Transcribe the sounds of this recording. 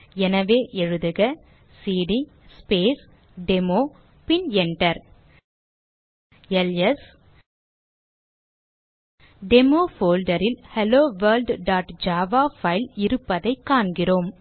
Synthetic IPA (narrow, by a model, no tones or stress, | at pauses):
ɛnɐʋeːʔɛɻɯðɯɣɐ | siːɽi | speːs | ɖɛmoː | pɪnɛɳʈɐɾ | ɛlɛs | ɖɛmoːfoːlɖɐɾɪlhɛloːʋɐɾlɖɖaːʈd͡ʒaːʋaːfɐɪlɪɾɯpːɐðɐɪkːaːɳɡɪroːm